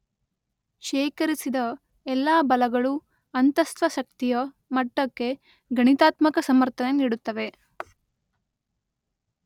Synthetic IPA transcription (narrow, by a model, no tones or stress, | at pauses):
ʃɛːkɐɾisid̪ɐ | ɛlːaːbɐlɐɡɐɭu | ɐnt̪ɐst̪ʋɐʃɐk̚t̪ijɐ | mɐʈːɐkːe̞ | ɡɐɳit̪aːt̪mɐkɐsɐmɐɾt̪ʰɐneniːɽut̪ːɐʋe̞